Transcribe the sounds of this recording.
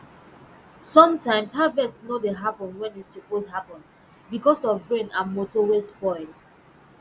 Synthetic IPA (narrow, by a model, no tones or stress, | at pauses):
sɔ̃mtãɪ̃mshavɛstnodeɦapɔ̃nwɛ̃nissuposhapɔ̃n | bikɔsɔvɹẽnãmotɔwesbɔɪ